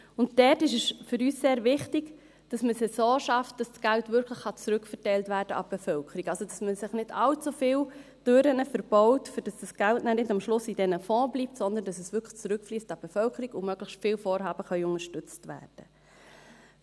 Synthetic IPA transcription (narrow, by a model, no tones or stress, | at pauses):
ʊntdɛtɪʃɛsfʏɾyːsseːɾvɪχtɪɡ | d̥ɑsməsəsoːʃɑft̚d̥ɑssɡ̥æltvʏɾkʰləχːɑt͡sɾʏkfərtɛɪltvæːɾd̥əʔɑb̥ɛfœlkʰəɾikɑlsod̥ɑsməsɪχnɪdɑlt͡sufɪːl | d̥øɾənəfəɾb̥ɔʊtfyd̥ɑsd̥ɑsɡ̥æltnæːnɪdɑmʃlʊsidɛnəfɔ̃ːbliːp̚tsɔnd̪əndɑsəsʋʏkʰt͡sɾʏkfliːstɑb̥ɛfœlkʰəɾikʊmœɡ̥ləχʃtfɪːlfɔːɾɦɑːb̥əχœʏʊnəʃtʏt͡stʋæ̰ːrd̥ə